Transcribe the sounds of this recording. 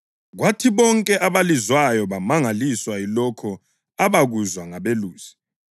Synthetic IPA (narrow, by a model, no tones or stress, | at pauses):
ɣwatʰiβɔŋkʼɛʔaβalizwajɔβamaŋaliswailɔkʰɔ | aβaɣuzwaŋaβeluːz̥i̥